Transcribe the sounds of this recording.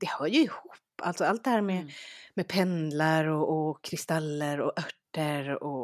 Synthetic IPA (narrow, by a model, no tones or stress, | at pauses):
d̪̥ɛhœːɾjɵɪhuːpːalt̪sɔalt̪̚d̪ɛhæːɾmɛmɛpʰɛnlaɾɔʔɔkʰɾɪst̪alːəɾɔʔœʈːəɾɔ